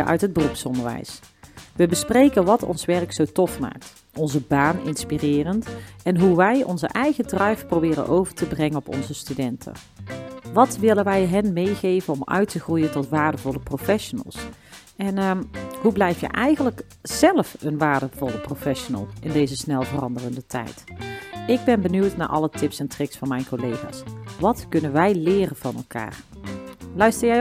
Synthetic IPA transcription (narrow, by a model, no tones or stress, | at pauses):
ʔœ̰ɥtɦəd̚bərupsɔndəɹʋɛ̰jsʋəbəsprejkənʋɑtɔ̰nsʋɛrksowtɔfma̰ːk̚t | ɔnzəbaːnɪ̰nspirɪːrəntɛnɦuʋɛjɔ̰nzə̰ʔɛjɣədrɑjfprowbɪːrə̰nʔowvəɹtəbrɛŋənɔpɔ̰nzəstydɛntʰə̰ | ʋɑtʋɪlənʋɛjɦɛnmejχejvənɔmœ̰ɥtəχrujəntɔtʋaːɹdəvɔləprofɛʃonə̰lˠs | ɛnəɦublɛjfjə̰ʔɛjɣənlək | z̥ɛlfənʋaːɹdəvɔlˠəprofɛʃonə̰lˠʔɪndejzəsnɛlˠvərɑndərəndətʰɛ̰jt | ɪɡ̚bɛnbənywtna̰ːɹʔɑ̰lətɪpsɛntrɪksfɑnmɛjnkolejχa̰ːsʋɑtkɵnənʋɛjlɪːrənv̥ɑnɛ̰lˠka̰ːr | lœɥstəɹjɛj